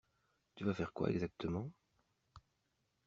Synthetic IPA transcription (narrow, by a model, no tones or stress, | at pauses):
t̪yvafɛʁkwa̰ɛ̰ɡzak̚t̪əmɑ̃